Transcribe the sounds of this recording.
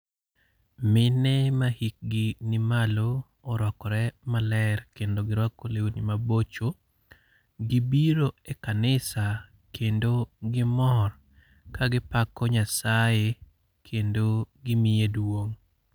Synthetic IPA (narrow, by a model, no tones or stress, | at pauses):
mɪnɛmahik̚ɡɪnɪmaloː | ɾɔkɔɾɛmalɛrkendoɡɪɾwakolewunimabot͡ʃo | ɡibiɾoekanɪsa | kʰendoɡɪmɔr | kaɡɪpakɔɲasaje | kʰendoɡɪmɪjedwoŋ